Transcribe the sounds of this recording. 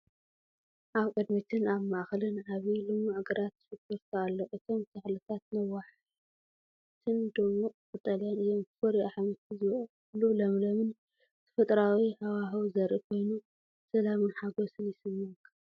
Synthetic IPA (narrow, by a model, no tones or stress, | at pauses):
ʔaβkʼɐd̪mit͡ʃ̪ɨnaβmaʔxɐlɨnaβilɨmːuʕɨɡɐɾat̪ːɨfɨɡɨɾt̪ʰaalːoʔɨt̪ʰo̞mt̪ʰɐxlɨt̪ʰat̪nɐwaħ | t̪ʰɨnd̪ɨmoʔʼkʼɨt̪ʼːɐlanɨjomfoɾiaħmɨt̪ɨzɨβ | lulɐmlɐmɨn | t̪ʰɨ̥fɐt̪ʼɾawihawaɦɐwzɐɾʔikʰo̞jnu | sɐlamɨnħaɡo̞sɨnjɪsɨmːɨkʰɐ